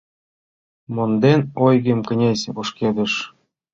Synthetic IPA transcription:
mond̪enojɣĕmkə̆nʲesʲoʃked̪ə̆ʃ

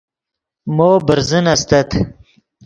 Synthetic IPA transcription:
moːbəɾzənast̪at̪ʰ

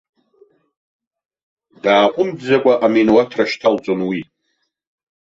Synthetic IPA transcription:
daːqʷʼʊmdd͡zakʷʼaʔaminwatʰraʃtʰalt͡sʼonwi

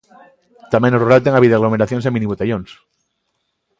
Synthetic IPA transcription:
t̪amenoruɾalt̪̬eŋaβiðeaɣlome̞ɾaθjonsemĩniβut̪eʝõns

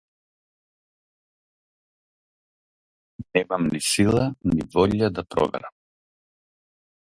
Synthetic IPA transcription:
nɛmamniʃilˠanivɔʎad̪apɾɔ̰vɛ̰ɾam

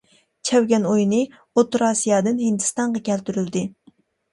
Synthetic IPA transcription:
t͡ʃʰɛwɡʲɛnojnɨ | ot̪ːɾɑsijɑːd̪ɨnhɨnd̪ɨst̪ɑɴʁɑkʲɛlt̪yɾyld̪ɪ

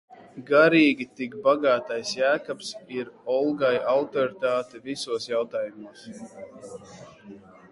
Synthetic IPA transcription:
ɡaɾiːɡʲit̪ikbaɡaːt̪ajsjæːkapsiɾɔlˠɡajawt̪ɔɾit̪aːt̪ɛvisuɔsjawt̪aːjumuɔs

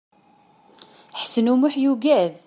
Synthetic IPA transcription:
ħsənumʊħjuɡæð

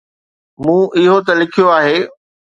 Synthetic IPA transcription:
mũːʔɪɦot̪ɐlɪkʰijoaːɦeː

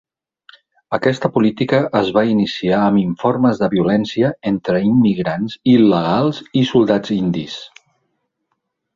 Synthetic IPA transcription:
əkɛst̪əpulit̪ikəʔəzβainisiaəmiɱforməzðəβiulɛnsiəent̪ɾəimːiɣɾanziləɣ̞alˠzisulˠd̪ad͡zind̪is

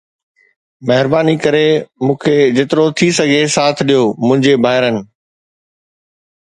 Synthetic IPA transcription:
mɐɦɪɾbaːnikɐɾemũːkʰed͡ʑɪt̪ɪɾot̪ʰisɐɡʱesaːt̪ʰɗijomʊ̃ɦɪ̃ɲd͡ʑebʱaːɦɪɾənɪ̆

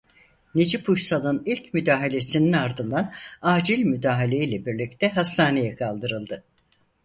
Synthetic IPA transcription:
nid͡ʒipuʃsalˠɯnilʲcmyd̪aːɦalʲe̞sininaɾd̪ɯnd̪anaːd͡ʒilʲmyd̪aːɦalʲe̞jilʲɛbiɾlʲict̪ʰɛɦast̪aːne̞jɛkʰalˠd̪ɯɾɯlˠd̪ɯ

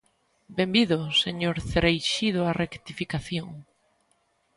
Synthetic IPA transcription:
bembiðʊseɲoɾθeɾejʃiðʊarʔekt̪ifikaθjoŋ

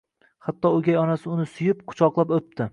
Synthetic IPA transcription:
hat̪ːɒoɡʲajɒnasɪʊnɪsʊjɪpqʰʊ̥t͡ʃʰɒqlˠapop̚t̪ʰɪ

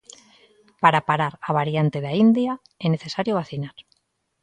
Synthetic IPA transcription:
paɾapaɾaɾaβ̞aɾjant̪eðaind̪ja | ene̞θe̞saɾjoβaθinaɾ

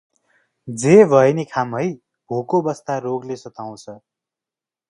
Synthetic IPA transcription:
d͡zebʱʌjnikʰamɦʌj | bʱokobʌst̪aroɡlesʌt̪aw̃t͡sʰʌ

